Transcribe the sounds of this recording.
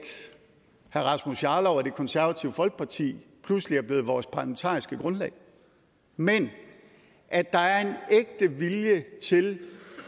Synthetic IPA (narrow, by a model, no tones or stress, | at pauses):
d̥ | hæɐʁɑ̈smusjɑ̈ːlɒʊæɐd̥e̝kʰɒ̽nsæɐʋæt͡sʰiʊəfɒ̽lɡ̥̚pʰɑ̈t͡sʰḭːpʰlusliæɐb̥le̝ːð̩ˠʋɒːspʰɑ̈ləment͡sʰɑ̰̈ːʁisɡ̥əɡ̥ʁɔ̽nlɛ̰ɪ | men | ʔæd̥ɑ̈æɐe̝neɡ̥̚d̥əʋiljət͡sʰe̝l